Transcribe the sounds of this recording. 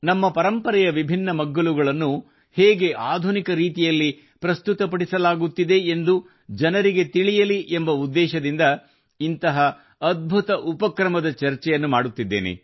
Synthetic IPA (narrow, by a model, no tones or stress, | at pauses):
nɐmːɐpɐɾɐmpɐɾɛjɐʋibʱinːɐmɐɡːɐɭuɡɐɭɐnːu | heːɡe̞ʔaːd̪ʱunikɐɾiːt̪ijɐlːi | pɾɐst̪ut̪ɐpɐɽisɐlaːɡut̪ːid̪e̞ːnd̪u | d͡ʒɐnɐɾiɡet̪iɭijɐliʔembɐud̪ːɛːʃɐd̪ind̪ɐ | int̪ɐɦɐː | d̪̚bʱut̪ɐʔupɐkɾɐmɐd̪ɐt͡ʃɐɾt͡ʃɛjɐnːumaːɽut̪ːid̪ːḛːnḛ